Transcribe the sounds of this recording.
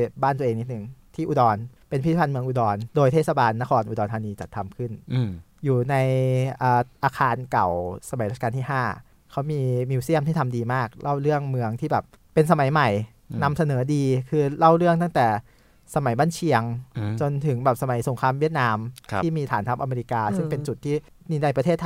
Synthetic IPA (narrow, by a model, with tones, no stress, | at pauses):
baː˥˩t̪ːə˧eː˧ni˦˥t̪̚ɯ˨˩ŋt̪ʰiː˥˩ʔuː˨˧dɔː˧npe˧npʰi˥˩˦pʰa˧nmɯ˧əŋʔuː˧dɔː˧ndoː˧jt̪ʰe˥˩sa˧baː˧nːa˦˥kʰɔː˧nʔuː˧dɔː˧t̪ʰaː˧niː˧t͡ɕa˨˩t̪ʰːa˧mkʰɯ˥˩n | juː˨˩na˧jʔəː˨˩ʔaː˧kʰaː˧nka˨˩wsa˧ma˨˩˦jɾa˥˩kaː˧nʰiː˥˩ɦaː˥˩ | kʰa˦˥wmiː˧miː˧wsi˥˩əmʰiː˥˩t̪ʰa˧mdiː˧maː˥˩k̚lʔa˥˩wɾɯ˥˩əŋmɯ˧əŋt̪ʰiː˥˩bɛː˨˩p̚ | pːe˧nsa˧ma˨˩˦jma˨˩j | na˧msa˧nɤː˩˦diː˧kʰɯː˧la˥˩wɾɯ˥˩əŋt̪a˥˩ŋt̪ɛː˨˩ | sa˧ma˩˦jbaː˧˥˩nt͡ɕʰi˧əŋt͡ɕo˧nt̪ʰɯ˩˦ŋbɛː˨˩p̚sa˧ma˩˦jso˩˦ŋkʰɾaː˧mwi˥˩ət̪̚naː˧mtʰiː˥˩miː˧t̪ʰaː˨˩˦nt̪ʰa˦˥pʔa˧meː˧ɾi˧˥kaː˧sɯ˥˩ŋpe˧nt͡ɕu˨˩t̪̚ʰːiː˥˩ | miː˧na˧jpɾa˧t̪ʰeː˥˩t̪ʰː